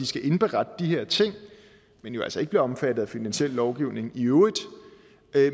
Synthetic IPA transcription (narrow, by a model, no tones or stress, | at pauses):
isɡ̥æʔe̝nb̥eʁɑd̥əd̥iheɐ̰t͡sʰe̝ŋ̰ | menjoæ̰lsɐe̝ɡ̥əb̥liɐɒ̽mfæd̥ð̩ˠæfinænɕel̰ːɒʊɡ̥iʊne̝ŋiøːʊðˠ